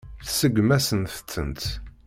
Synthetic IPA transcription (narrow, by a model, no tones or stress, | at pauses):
θsəɡʷmæsənθət͡sːə̰nt̪